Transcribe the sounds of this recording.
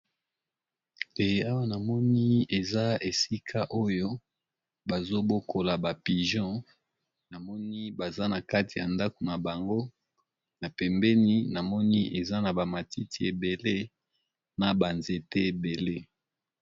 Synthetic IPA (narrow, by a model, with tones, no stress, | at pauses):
e˨a˦wa˦na˨mɔ˦ni˦e˨za˦e˨si˦kʰa˦ʔo˦jo˦ | ba˨zo˦bo˦kʰo˨la˨ba˨pi˨ʒɔ̃˦ | na˨mɔ˦ni˦ba˨za˦na˨ka˦ti˨ja˨nda˦ko˨na˨ba˨ŋɡo˦ | na˨pɛ˨mbɛ˦ni˦na˨mɔ˦ni˦ʔe˨za˦na˨ba˨ma˨ti˦ti˨e˨be˨le˦ | na˨ba˨nze˨te˦e˨be˨le˦